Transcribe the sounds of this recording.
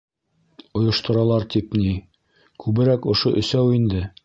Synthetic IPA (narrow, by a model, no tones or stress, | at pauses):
ŏjŏʃt̪ŏɾɑlˠɑɾt̪ipni | kʰʉβɘ̆ɾækŏʃoʔɵ̆sæwind̪ɘ